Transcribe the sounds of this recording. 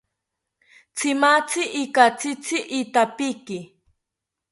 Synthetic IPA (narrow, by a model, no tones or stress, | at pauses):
t͡sɪmat͡sɪʔːkat͡sɪt͡sɪʔːt̪apikɪ